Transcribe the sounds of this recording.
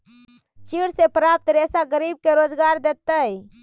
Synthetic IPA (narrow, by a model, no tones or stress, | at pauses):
t͡ʃiɽsepɾap̚t̪ɾesaɡəɾib̚keɾod͡ʒɡaɾd̪et̪əj